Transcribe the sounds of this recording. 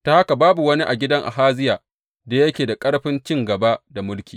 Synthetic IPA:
taː˨ha˦ka˨baː˦bu˨wɐ˦ni˦ʔa˨ɡʲɪ˦dɐ˦ŋʔa̰˨ɦaː˦zɪ˦jaː˨ | da˨jɐ˦kʲeː˨da˨kʼɐ˦ɽɸɪ˦nt͡ʃʲɪ˦ŋɡɐ˨ba˦da˨mʊ˦lkʲiː˨

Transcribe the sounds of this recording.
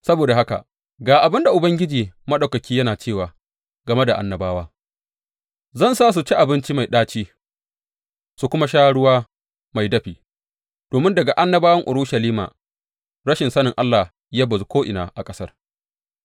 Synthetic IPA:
sɐ˦boː˨da˨ha˦ka̰˨ʔ | ɡaː˨ʔa˨bɪ˦nda˨ʔʊ˨bɐ˦ŋɡʲɪ˦d͡ʒiː˨mɐ˦ɗa˨kɐ˨kʲiː˦jɐ˦naː˨t͡ʃeː˦˨waː˨ | ɡɐ˨me˦da˨ʔa̰˨nːɐ˨baː˦waː˦ | zɐ˦˨nsaː˦s̬u˨t͡ʃi˦ʔa˨bɪ˦nt͡ʃi˦ma˨jɗaː˦t͡ʃiː˦ | su˨kʷʊ˦ma˦ʃaː˦ɽʊ˦waː˦ | ma˨jdɐ˦ɸiː˨ | d̥oː˨mɪ˦ndɐ˨ɡa˨ʔa˦nːɐ˦baː˦wɐ˦ŋʔʊ˨ɽʊ˦ʃɐ˨liː˦ma̰ː˨ | ɽɐ˦ʃɪ˨nsɐ˦nɪ˨ŋʔa˦lːaː˨ | jaː˦bɐ˨zu˦kʷoː˦ʔɪ˨na̰ː˨ʔa˨kʼɐ˦sɐ˦r

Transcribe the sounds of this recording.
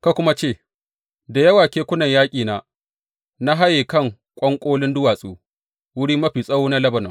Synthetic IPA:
ka˦kʷʊ˦ma˦t͡ʃeː˦˨ | da˨jɐ˦waː˨kʲeː˦kʷʊ˦nɐ˨ɲjaː˦kʲʼiː˨naː˨ | na˦ɦa˦jeː˨kɐ˦˨ŋ | kʷʼɐ˦ŋkʷʼoː˦lɪ˦ndʊ˦waː˨sʼṵː˦ | wʊ˦ɽiː˦mɐ˦ɸiː˨sʼɐ˦wuː˦na˦lɐ˦bɐ˨nɔ˨ŋ

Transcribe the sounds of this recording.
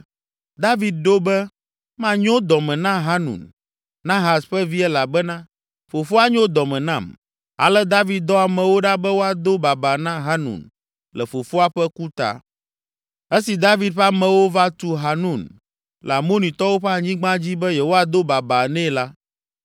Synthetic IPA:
d̪a˦vi˨d̪̚ɖo˦bɛ˦ | mã˦ɲɔ̃˦d̪ɔ˨mɛ̃˨nã˦ɦa˦nṵ̃˨n | nã˦ɦa˨sɸɛ˦vi˦ɛ˦la˨bɛ˦nã˦ | fo˨fo˦a˦ɲõ˦d̪ɔ˨mɛ̃˨nã˦˨m | a̰˨lɛ˦d̪a˦vi˨d̪̚d̪ɔ˦a˨mɛ̃˨wo˦ɖa˦bɛ˦wo˦a˨d̪o˦ba˨ba˨nã˦ɦa˦nṵ̃˨n | lɛ˨fo˨fo˦a˦ɸɛ˦ku˦t̪a̰˨ | ɛ˦si˨d̪a˦vi˨d̪̚ɸa˦mɛ̃˨wo˦va˦t̪u˦ɦa˨nũ˦˨n | lɛ˨a˨mo˦nĩ˨t̪ɔ˦wo˦ɸɛ˦a˨ɲĩ˦ɡ͡bã˦d͡ʑi˦bɛ˦jɛ˨wo˦a˨d̪o˦ba˨ba˨nɛ̃˦la˦

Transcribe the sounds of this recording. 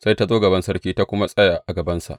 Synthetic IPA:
sa˦jta˦zoː˦ɡɐ˨bɐ˦nsɐ˦rkʲiː˦ta˦kʷʊ˦ma˦sʼɐ˦ja˨ʔʔa˨ɡɐ˨bɐ˦nsa̰˨ʔ

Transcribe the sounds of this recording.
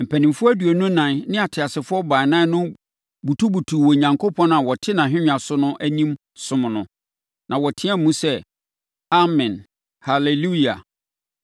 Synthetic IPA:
m̩˨pʰæ˨nɪ̃˨mfʊ˦æ˦du˨e˨nʊ̃˦nã˨nnɪ̃˦a˨tʰɪ˨a˨sɪ˨fʊ˦ɔ˦ba˨nã˦nʊ̃˦ | bu˨tʰu˦bu˨tʰu˨wɔ˨ɲã˨ŋkʰo˦pʰɔ̃˦nã˨wɔ˨tʰɪ˦nã˨ɦᶣɪ̃˦ɲᶣ˨ã˨sʊ˦nʊ̃˦ʔæ˦nĩ˦m | sʊ̃˦m̃˨nʊ̃˨ | nã˨wɔ˨tʰɪ˦a˦m˨mũ˦sɛ˦ | a˦mɪ̃˨n | ha˨le˨lu˦i˨a̰˨

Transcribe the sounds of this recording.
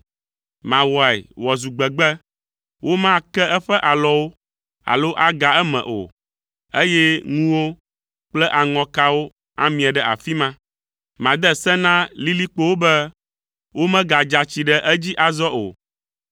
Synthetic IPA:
mã˨wɔ˨ɛ̰˨wɔ˨zu˨ɡ͡bɛ˨ɡ͡bɛ˦ | wʔo˦mã˦kɛ˦ɛ˦ɸɛ˦ʔa˨lɔ˦wo˦ | a̰˨lo˦ʔa˦ɡa˨ɛ˦mɛ̰̃˨ʔo̰˨ | e˦jɛ˦ŋũ˦wo˦ | k͡plɛ˦ʔa˨ŋɔ̃˨ka˦wo˦ | a̰˦mĩ˨a˨ɖɛ˦ʔa̰˨fi˦mã˦ | mã˨d̪ɛ˦sɛ̃˦nã˦li˦li˦k͡po˦wo˦bɛ˦ | wo˦mɛ̃˦ɡa˨d͡ʒa˨t͡ɕi˨ɖɛ˦ʔɛ˦d͡ʑi˦ʔa˨zɔ˦ʔo̰˨

